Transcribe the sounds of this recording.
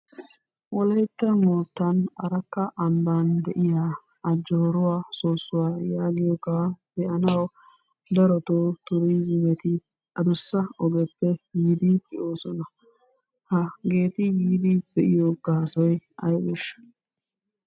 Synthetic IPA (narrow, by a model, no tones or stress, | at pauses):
wɔlɛjt̪ːɐmoːt̪ːɐnɐɾɐkːɐʔɐmbɐnd̪ɛʔɪjaː | ɐd͡ʒːɔɾʊwaːsoːsːʊwaːjaːɡɪjɔkabɛʔɐnɐw | d̪ɐɾɔt̪oːt̪ʊɾizɪmɛt̪ɪ | ʔɐd̪ʊsːɐɔɡɛpːɛjiːd̪ikʼɪʔoːsɔnɐ | hɐɡe̞ːt̪ɪjiːd̪ibɛʔɪjoːɡaːsɔjɐ̰jbɛʃ